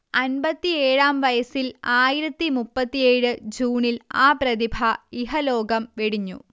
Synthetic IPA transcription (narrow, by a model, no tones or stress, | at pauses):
ɐnbɐt̪ːieːɻaːmʋɐjɐsilaːjiɾɐt̪ːimupːɐt̪ːijeːɻɨd͡ʑuːnilaːpɾɐðibʱɐiɦɐlo̞ːɡɐmʋeɽiɲːṵ